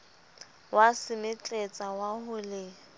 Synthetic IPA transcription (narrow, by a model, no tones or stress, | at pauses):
wasɪmɪt͡ɬʼet͡sʼawahʊlɪ